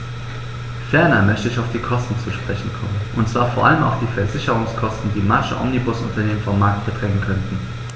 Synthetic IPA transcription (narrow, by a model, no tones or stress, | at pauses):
fɛɐnɐmœçtəɪçaʊfd̥iːkʰɔstn̩t͡suʃpʁ̥ɛçn̩kʰɔmənʔʊntt͡sv̥aːɐfoːɐʔaləma̰ʊfd̥iːfɛɐzɪçəʁ̞ʊŋskʰɔstn̩diːmaʃəʔɔ̰mnibʊsʔʊntɐneːmənfɔmːaɐk̚t̚b̥ətʁ̥ɛŋənkʰœntn̩